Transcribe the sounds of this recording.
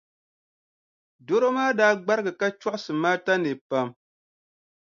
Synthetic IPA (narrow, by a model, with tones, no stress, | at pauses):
do˦ɾo˦maː˦daː˦ɡ͡ba˦ɾɨ˦ɡɨ˨ka˦t͡ʃɔ˦ʔʊ˦sɨ˨maː˦ta˦nɨ˨pa˦m